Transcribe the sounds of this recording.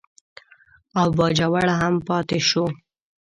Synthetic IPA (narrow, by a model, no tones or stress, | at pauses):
awbɑd͡ʒawaɽaɦampɑt̪eʃo